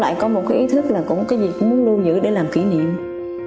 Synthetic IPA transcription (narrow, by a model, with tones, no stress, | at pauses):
la̰ː˧˨jkɔ˨˦mo˨˩t̚kaː˨˦jʔi˨˦t̪ʰɨ˦˥k̚laː˨˩kʊ̰˧˥ŋ͡mkaː˨˦jzi˨˩kʊ̰˨˧˥ŋ͡mmu˨˦ənlu˧zɨ̰˧˥ɗe˧˩˦laː˨˩mki˧˩˦nḭ˧˨əm